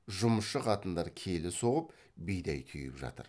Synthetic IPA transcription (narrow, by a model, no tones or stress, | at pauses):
ʒʊməsʃəqʰɑt̪ənd̪ɑɾkʲʰe̞lɪso̞ʁəp | bejd̪ɑjt̪ʰø̰jɪpʒɑ̰t̪ə̰ɾ